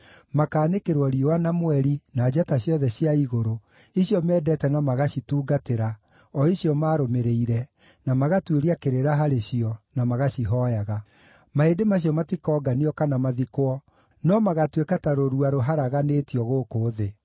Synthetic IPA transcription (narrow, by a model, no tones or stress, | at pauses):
makaːnekeɾwɔɾiɔwanamoɛɾinaːd͡ʑataɕjɔðɛɕiaiɣoɾo | iɕjɔmɛːdɛtɛnamaɣaɕituːɡateɾa | ɔiɕjɔmaːɾomeɾeiɾɛ | namaɣatweɾiakeɾeɾaɦaɾeɕiɔnamaɣaɕiɦɔjaɣa | maedemaɕ̬iɔmatikɔːɡaniɔkanamaðikwɔ | nɔmaɣatwekataɾoɾuaɾoɦaɾaɣaneːtiɔɣoːkoːðe